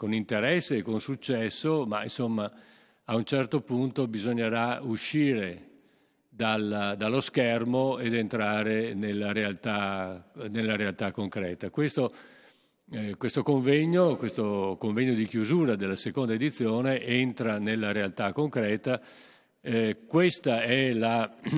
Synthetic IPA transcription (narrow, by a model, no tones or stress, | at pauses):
konint̪eɾɛsːeːkonsut͡ʃːɛsːoma̰insomːa | aunt͡ʃɛrt̪opunt̪obizoɲːeɾauʃiːɾe | d̪ald̪alːoskɛrmoed̪ent̪ɾaːɾenelːaɾealt̪a | nelːaɾealt̪akːoŋkɾɛːt̪akwest̪o | kwest̪okoɱvɛɲːokwest̪okoɱvɛɲːod̪ikjuzuːɾad̪elːasekond̪aed̪it̪sːjoːneʔent̪ɾanelːaɾealt̪akːoŋkɾɛːt̪a | kwest̪aɛla